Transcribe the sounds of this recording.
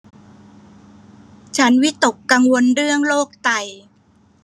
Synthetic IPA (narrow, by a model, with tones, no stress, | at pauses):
t͡ɕʰa˦˥nwi˦˥t̪o˨˩kːa˧ŋwo˧nɾɯ˥˩əŋloː˥˩k̚t̪a˧j